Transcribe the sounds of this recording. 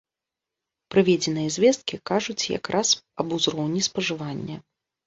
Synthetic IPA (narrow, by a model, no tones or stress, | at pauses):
pɾɨvʲɛd͡zʲɛnɨjɐzʲvʲɛst̪̚kʲikaʐut͡sʲja̰kɾʔasɐbuzɾɔwnʲispɐʐɨvanʲːɐ